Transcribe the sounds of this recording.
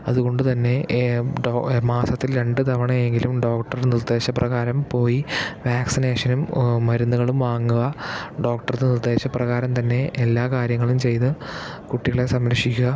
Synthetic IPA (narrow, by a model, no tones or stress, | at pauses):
ɐðuɣo̞ɳɖut̪ɐnːe̞ɖomaːsɐt̪ːilɾe̞ɳɖɨt̪ɐʋɐɳɐje̞ŋɡilumɖo̞ːkʈːɐrnird̪e̞ːɕɐprɐɣaːɾɐmpo̞ːjiʋaːksineːʂɐnummɐɾunːuɣɐɭumʋaːŋːuɣɐɖo̞ːk̚ʈɐrnnird̪e̞ːɕɐprɐɣaːɾɐmt̪ɐnːe̞ʔːlːaːkaːɾjɐŋːɐɭumt͡ɕe̞jt̪ɨ | kuʈːiɣɐɭe̞sɐmɾɐʂikʲːuɣɐ